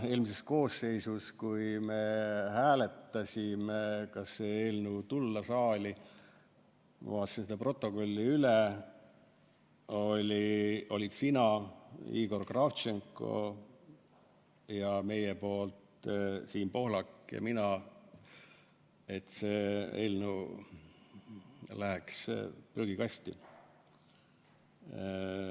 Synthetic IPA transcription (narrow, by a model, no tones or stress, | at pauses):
e̞ːlmise̞sko̞ːsːe̞jsuskujmehæːle̞t̪ːˑɑsʲimekɑsːeeːlnet̪ulːɑsɑːlʲi | mṵɑsinsed̪ɑpro̞t̪ːˑo̞ko̞lʲːiyle | o̞lʲio̞̰lʲit̪sinɑḭːɡ̥o̞rkrɑft͡ʃeŋkˑo̞̰ | jɑme̞jepo̞ːlt̪siːnpo̞hlɑkːɑ̰minɑ | e̞t̪seːelnu | læɦekspryɡ̥ikɑst̪ḭ